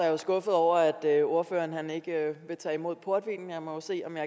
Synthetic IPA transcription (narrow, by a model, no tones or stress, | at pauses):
ɑæɐjo̝sɡ̥ɔ̽fð̩ˠɒʊ̰ɐæd̥øo̝ɐfø̰ːɐnɦæne̝ɡ̥əʋe̝t͡sʰɛ̰ːimo̝ð̰ˠpʰo̝ɐd̥ʋḭːnjɑ̈ɪmɒ̽jose̝̰ːɒ̽mjɑ̈